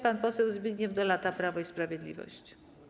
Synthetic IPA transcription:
panpɔsɛwzbʲiɡɲɛmd̪ɔlat̪apɾavɔispɾavʲjed̪lʲḭvɔ̰ɕt͡ɕ

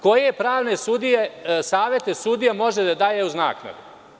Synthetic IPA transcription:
ko̞jepɾaːʋne̞sud̪ijesaːʋje̞t̪esud̪ijamo̞ʒed̪ad̪aːjeuzna̰ːkna̰d̪u

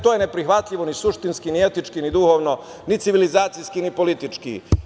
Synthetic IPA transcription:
t̪ojenepɾixʋat̪ʎʲiʋo̞nisuʃt̪inskinie̞t̪it͡ʃkinid̪uxo̞ːʋno | nit̪siʋilizaːt̪sijskinipo̞lit̪it͡ʃkḭ

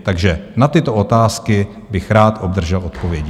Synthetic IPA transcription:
t̪aɡʒɛnat̪ɪt̪oʔot̪aːskɪ | bɪxɾaːt̪ʔobd̪r̩ʒɛlʔo̞t̪po̞vjɛɟɪ

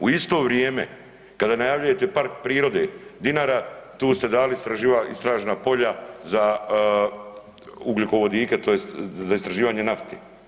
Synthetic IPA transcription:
uist̪o̞ːʋɾjeːmḛ | kad̪aːnajaʋlʎuje̞t̪e̞paɾk̚pɾiːɾo̞d̪ed̪inaːɾat̪uːst̪e̞d̪aːlist̪ɾaʒiːʋaʔist̪ɾaːʒenapo̞ʎaza | uɡluko̞ʋo̞d̪iːket̪oːjest̪zaist̪ɾaʒiːʋaːɲenaft̪ḛː

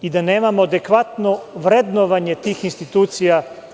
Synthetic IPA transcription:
id̪ane̞ːmamoad̪e̞kʋat̪no̞ʋɾe̞d̪noʋaɲe̞t̪iːxinst̪it̪uːt̪sija

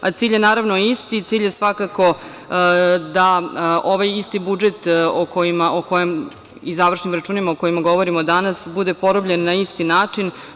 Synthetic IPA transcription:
at̪siːʎje̞naːɾaʋno̞ist̪it̪siːʎje̞sʋakako̞ | d̪aoʋajist̪ibud͡ʒet̪okʰojimaʔoko̞jem | izaʋr̩ʃnimɾat͡ʃuːnimaoko̞jimaɡo̞ʋo̞ɾimod̪anasbud̪e̞po̞ɾobʎenːaist̪inaːt͡ʂin

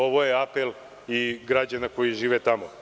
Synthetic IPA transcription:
o̞ʋo̞jeapel | iɡɾad͡ʑanako̞jiʒiːʋet̪amo

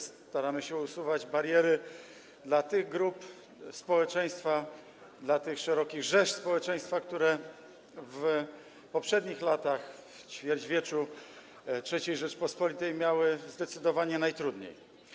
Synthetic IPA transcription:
st̪aɾamɘɕɛusuvad͡ʑbaɾjɛɾɘ | d̪lat̪ɘɣɡɾup | spɔwɛt͡ʂɛj̃st̪fa | d̪lat̪ɘxʂɛɾɔkʲiɣʐɛʂspɔwɛt͡ʂɛ̃j̃st̪fakt̪uɾɛ | v | pɔpʂɛd̪ɲixlat̪axft͡ɕfʲjɛɾd͡ʑvʲjɛt͡ʂu | tʂɛt͡ɕejʐɛt͡ʂpɔspɔlʲit̪ɛjmʲjawɘzd̪ɛt̪sɘd̪ɔvaɲɛnajt̪ɾud̪ɲḛj

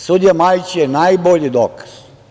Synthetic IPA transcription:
sud̪ijamajt͡ʃjenajboʎid̪oːkḁz̥

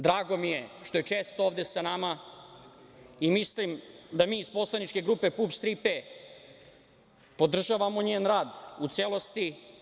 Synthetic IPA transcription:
d̪ɾaːɡo̞mije̞ʃt̪o̞je̞t͡ʂeːst̪ooːʋd̪e̞sanama | imislimd̪amiːispo̞slˠanit͡ʃke̞ɡɾuːpe̞pupst̪ɾipe | po̞d̪r̩ʒaʋamo̞ɲeːnɾaːd̪ut̪seːlo̞st̪i

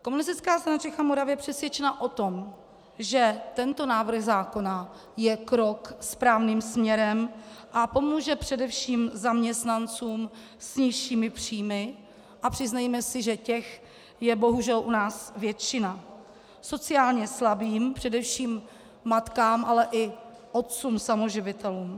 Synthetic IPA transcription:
ko̞munɪst̪ɪt͡skaːst̪aɾnat͡ʃɛxamo̞ɾavjɛpr̥ɛsvjɛt͡ʃɛnaʔo̞t̪o̞m | ʒɛt̪ɛnt̪o̞naːvr̩ɣzaːko̞na | jɛkɾo̞kspɾaːvniːmsmɲɛɾɛmʔapo̞muːʒɛpr̝̥ɛdɛfʃiːmzamɲɛst̪nant͡suːm | sɲɪʃiːmɪpr̝̥iːmɪ | ʔapr̝̥ɪznajmɛsɪʒɛcɛx | jɛbo̞ɦuʒɛlʔunaːsvjɛt͡ʃɪna | so̞t͡sɪaːlɲɛslabiːmpr̝̥ɛdɛfʃiːmː | at̪kaːmʔalɛʔɪ | ʔot̪̚t͡suːmsamoʒɪvɪt̪ɛluːm

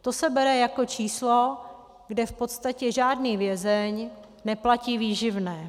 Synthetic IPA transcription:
t̪o̞sɛbɛɾɛjako̞t͡ʃiːslo | ɡdɛfpo̞t̪st̪acɛʒaːdniːvjɛzɛɲ | nɛplaciːviːʒɪvnɛː

